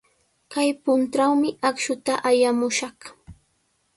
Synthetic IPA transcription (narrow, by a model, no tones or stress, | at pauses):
kajpʊnʈ͡ʂawmɪʔakʃʊt̪aʔajamʊʃɑχ